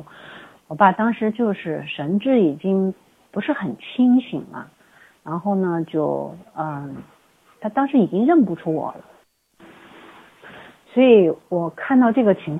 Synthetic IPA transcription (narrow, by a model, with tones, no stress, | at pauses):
wɔ˨˩˥ba˨˩t̪ɑ˥ŋʂɻ̩˧˥t͡ɕjo˥˧ʊʂɻ̩˥˩ʂə˧˥nʈ͡ʂɻ̩˥˩i˨˩t͡ɕi˥ŋ | pu˧˥ʂɻ̩˥˩xə˨˩nt͡ɕʰi˥ŋɕḭ˨˩ŋlə̰˦ | ɻa˧˥nxo˥˩ʊnə˩t͡ɕjo˥˩ʊə˧ | t̪ʰa˥t̪ɑ˥ŋʂɻ̩˧˥i˨˩t͡ɕi˥ŋɻə˥˩npu˨˩ʈ͡ʂʰu˥wɔ̰˨˩lə̰˦ | swɔ˧˥i˧˥wɔ˨˩kʰa˥˧nt̪ɑ˥˧ʊʈ͡ʂɤ˥˩ɡə˩t͡ɕʰi˧˥ŋ